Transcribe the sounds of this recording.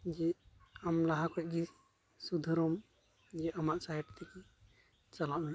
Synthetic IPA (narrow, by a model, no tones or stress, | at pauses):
d͡ʒɛamlaɦakɔc̚ɡi | sud̪ʱɔɾɔm | d͡ʒɛʔamaʔsajɖt̪ʰɛki | t͡ʃalaʔnɛ